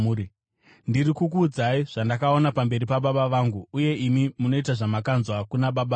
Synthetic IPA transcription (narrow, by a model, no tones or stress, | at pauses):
i | ndirikukuːd͡zaiʐ̥andakao̞napambe̞ɾipaɓaɓaʋaːŋɡuuje̞imimuno̞itaʐamakanzwakunaɓaɓa